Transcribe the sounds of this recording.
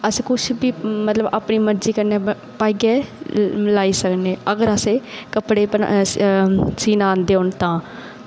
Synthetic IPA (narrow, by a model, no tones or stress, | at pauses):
əskʊt͡ʃʰbiːmət̪ləbaːpniːməɾd͡ʒiːkəɾneː | paːiːɡɛː | laːiːsəkneːəɡəɾəseːkəpɽeːə̰ | siːnaːnd̪eːɦoːɳt̪ãː